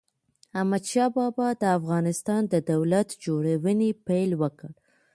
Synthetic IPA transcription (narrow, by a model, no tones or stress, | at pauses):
hamad̪ʃɑbɑbɑd̪əafɣɑnɪst̪ɑnd̪əd̪awlat̪d͡ʒoɽawənepajlwəkəɽ